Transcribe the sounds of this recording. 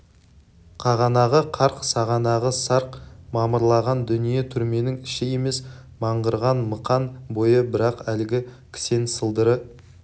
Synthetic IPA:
qʰɑʁɑnɑʁəqʰɑɾqsɑʁɑnɑʁəsɑɾqmɑməɾlˠɑʁɑnd̪ʏnije̞t̪ʰʏɾme̞nɪŋɪʃɪje̞me̞s | mɑɴʁəɾʁɑnməqɑnbo̞jəbɪɾɑqælɪɡʲɪkʲʰɪ̥se̞nsəlˠd̪əɾə

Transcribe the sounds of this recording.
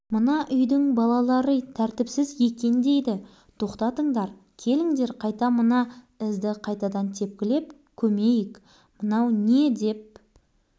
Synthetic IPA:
mənɑʔʏjd̪ɪŋbɑlˠɑlˠɑɾət̪ʰæɾt̪ɪpsɪzje̞kʲe̞nd̪e̞jd̪ɪ | t̪ʰo̞qt̪ɑt̪əɴd̪ɑɾ | kʲʰe̞lɪŋd̪e̞ɾqʰɑjt̪ɑmənɑ | ɪzd̪ɪqʰɑjt̪ɑd̪ɑnt̪ʰe̞p̚kʲɪle̞p̚ | kʲʰɵme̞jɪk | mənɑwne̞d̪e̞p̚

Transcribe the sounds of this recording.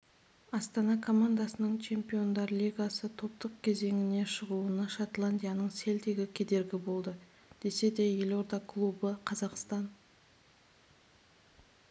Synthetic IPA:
ɑst̪ɑnɑkʰo̞mand̪ɑsənəɴt͡ʃʰe̞mpijo̞nd̪ɑɾlʲijɡasət̪ʰo̞p̚t̪əq̚kʲʰe̞ze̞ŋʲɪne̞ʃəʁuənɑʃat̪lˠanʲd̪ʲijanəɴse̞ld̪e̞ɡʲɪkʲʰe̞d̪e̞ɾɡʲɪbo̞lˠd̪ə | d̪̥e̞se̞d̪e̞je̞lo̞ɾd̪ɑkʰlˠubəqʰɑzɑqst̪ɑn

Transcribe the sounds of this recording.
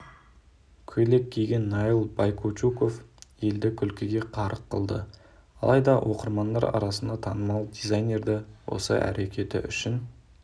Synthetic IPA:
kʲʰɵle̞k̚ʲʰːejɡʲe̞nːɑilˠbɑjkʰot͡ʃuko̞fje̞ld̪ɪkʲʰʏlkʲɪɡʲe̞qʰɑɾəqʰːəlˠd̪ə̰ | ɑ̰lˠɑjd̪ɑwʔo̞qəɾmɑnd̪ɑɾɑ̰ɾɑsənd̪ɑt̪ʰɑnəmɑlˠd̪ʲizɑjnʲe̞ɾd̪ɪwo̞̰sə̰ʔæ̰ɾʔe̞kʲʰe̞t̪ɪ̰ʔʏʃɪn

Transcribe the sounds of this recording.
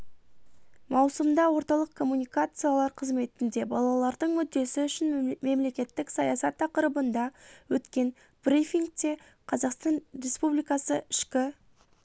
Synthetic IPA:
mɑwsəmd̪ɑwo̞ɾt̪ɑlˠəq̚kʰo̞mːunʲijkat̪sɨjalˠɑɾqʰəzme̞t̪ɪnd̪e̞bɑlˠɑlˠɑɾd̪əɴmʏd̪ːe̞sɪʏʃɪnme̞mle̞kʲe̞t̪ːɪksɑjɑsɑt̪ʰːɑqəɾəbənd̪ɑwɵt̪kʲe̞n | b̥rifʲiŋɡ̚t̪e̞ | qʰɑzɑqst̪ɑnrʲe̞spublijkɑsəɪʃkʲɪ

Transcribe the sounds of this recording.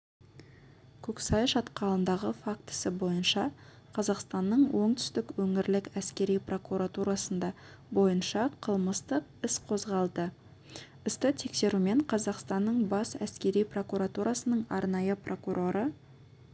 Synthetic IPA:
kʲʰɵksɑjʃɑt̪qɑlˠənd̪ɑʁəfak̚t̪ɪ̥sɪbo̞jənʃɑ | qʰɑzɑqst̪ɑnːəɴwʔo̞ɴt̪ʰʏ̥st̪ɪkwɵŋɪɾlɪkæskʲe̞ɾijpro̞kuɾat̪uɾɑsənd̪ɑ | bo̞jənʃɑqʰəlˠməst̪əqɪsqʰo̞zʁɑlˠd̪ə | ɪst̪ɪt̪ʰe̞kse̞ɾume̞ɴqʰɑzɑqst̪ɑnːəɴbɑsæ̰skʲe̞ɾijpro̞kuɾat̪uɾɑsənəɴɑ̰ɾnɑjəprʔo̞kuɾʔo̞ɾʔə

